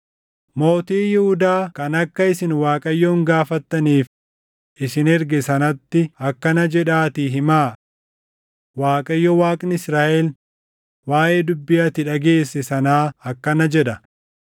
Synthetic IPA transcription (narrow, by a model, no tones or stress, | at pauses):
mo̞ːt̪iːjɛhʊd̪aːkɐnɐkːɐɪsɪnwaːkʼɐjːɔŋɡaːfɐt̪ːɐniːf | ʔɪsɪnɛɾɡɛsɐnɐt̪ːɪɐkːɐnɐd͡ʒɛᶑaːt̪ɪɦɪmaː | waːkʼɐjːɔwaːkʼnɪsɾaːʔɛl | waːʔeːd̪ʊbːɪjɐt̪ɪᶑɐɡe̞ːsːɛsɐnaːɐkːɐnɐd͡ʒɛᶑɐ